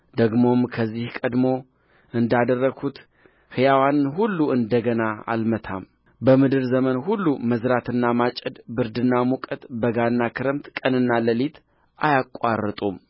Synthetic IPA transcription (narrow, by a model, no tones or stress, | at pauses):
d̪əɡmo̞mkʰəzːihkʼəd̪mo̞ | ʔɨnd̪ad̪ərːəɡʰut̪ | hɨjawanɨnɦulːuɨnd̪əɡənaa̰lmət̪ʰa̰m | bəmɨd̪ɨɾzəmənhulːuməzɾat̪ʰɨnːamat͡ʃʼəd̪bɨɾd̪ɨnːamukʼət̪bəɡanːakʰɨɾəmt̪kʼənɨnːaləlit̪ | ʔajakʼːarːət̪ʼum